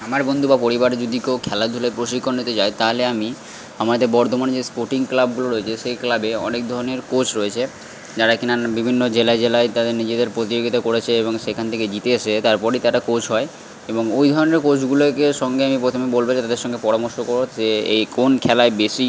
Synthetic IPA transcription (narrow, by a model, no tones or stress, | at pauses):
amaɾbond̪ʱubapoɾibaɾed͡ʑod̪ikokʰɛlad̪ʱulapɾoʃikʰːonːit̪ed͡ʑaet̪aɦoleami | amaɾd̪ebɔɾt̪omand͡ʑespoɾʈiŋklab̚ɡuloɾoet͡ɕʰeʃejklabeɔ̰nek̚d̪ʱɔɾoneɾkot͡ɕʰɾoet͡ɕʰe | d͡ʑaɾakinabibʱinːod͡ʑelaed͡ʑelaet̪ad̪eɾnid͡ʑed̪eɾpɾot̪id͡ʑoɡit̪akoɾet͡ɕʰeeboŋʃekʰant̪ʰeked͡ʑit̪eeʃet̪aɾpɔɾejt̪aɾakot͡ɕʰɦɔe | eboŋojd̪ʱɔɾoneɾkod͡ʑʰɡulokeʃɔŋɡeamipɾot̪ʰomebolbet̪ad̪eɾʃɔŋɡepɔɾamoɾʃokoɾoeejkonkʰɛlaebeʃi